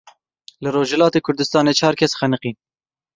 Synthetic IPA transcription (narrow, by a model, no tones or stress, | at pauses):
lɨɾoːʒɛlɑːt̪eːkʰʊɾd̪ɨst̪ɑːneːt͡ʃʰɑːɾkʰɛsxɛnɨqiːn